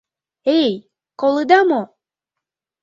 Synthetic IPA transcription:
ej | kolˠɯd̪ɑmo

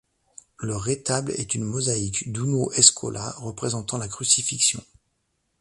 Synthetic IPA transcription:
ləʁet̪ablɛ̰t̪ynmɔzaikd̪unoʔɛskʰɔ̰lʔaʁəpχezɑ̃t̪ɑ̃lakχysifiksjɔ̰̃

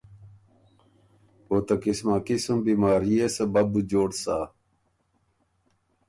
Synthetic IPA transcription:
oːt̪ɐkismaːkisumbimaːɾijesɐbɐbud͡ʑoːɽsaː

